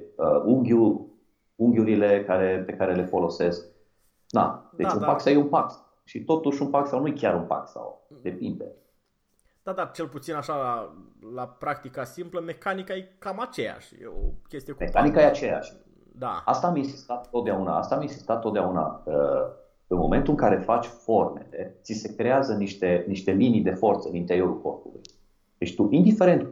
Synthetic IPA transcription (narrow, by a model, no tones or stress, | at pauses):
əuŋɡʲu | uŋɡʲjuɾile̞kaɾe̞pe̞kaɾe̞le̞fo̞lo̞se̞sk̚ | na̰d̪eunpaksawjeunpaksa | ʃit̪o̞t̪uʃunpaksawnujekʲaɾunpa̰ksa̰wd̪e̞pind̪ḛ | d̪̥ad̪art͡ʃe̞lput̪sinaʃalalapɾak̚t̪ikasimpləme̞kanikaekamat͡ʃeja̰ʃjḛo̰kʲe̞st̪ijemekanikajeat͡ʃe̞ja̰ʃʲ | d̪a̰ast̪aminsist̪at̪t̪ːot̪d̪eauna̰a̰st̪aːminsist̪at̪ːot̪̚d̪eauna̰ə | ɨnmo̞̰me̞nt̪uɨŋkaɾe̞fat͡ʃʲfo̞rme̞le̞t̪sise̞kɾeazəniʃt̪e̞niʃt̪e̞linijd̪e̞fo̞rt̪səɨnint̪eio̞ɾulko̞̰rpulṵj | d̪e̞t͡ʃt̪uʔind̪ifeɾe̞nt̪